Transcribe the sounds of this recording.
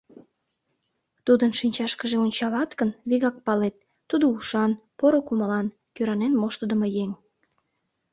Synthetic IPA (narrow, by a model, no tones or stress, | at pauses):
t̪ud̪ənʃinʲt͡ɕɑʃkəʒeonʲt͡ɕɑlɑt̪kənβiɣɑk̚pɑlet̪ːud̪ouʃɑnpoɾokuməlɑn | køɾɑnenmoʃt̪əd̪əmojeŋ